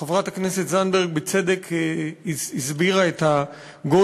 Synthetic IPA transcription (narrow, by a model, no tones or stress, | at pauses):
χavʁataknɛsɛtzanbɛʁɡ̚bɪt͡sɛdɛkizizbiʁaɛta | ɡo